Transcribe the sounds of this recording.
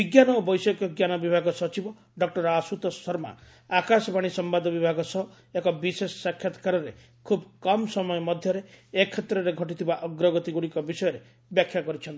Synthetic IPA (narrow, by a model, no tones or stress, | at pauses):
biɡjanɔobɔjsɔkɔɡjanɔbibʱaɡɔsɔt͡ʃibɔ | ɖɔk̚ʈɔɾasut̪ɔsɔɾma̰ | akasɔbaɽ̃isɔmbad̪ʱɔbibʱaɡɔsɔɦ | ekɔbisesɔsakʰjat̪ɔ̥kaɾɔɾe | kʰubkɔmsɔmɔjɔmɔd̪ʱjɔɾeekʰːet̪ɾɔɾeɡʱɔʈ̬it̪ʰibaʔɔɡɾɔɡɔt̪iɡuɽikɔbisɔjɔɾe | bjakʰjakɔɾit͡ʃʰɔnt̪i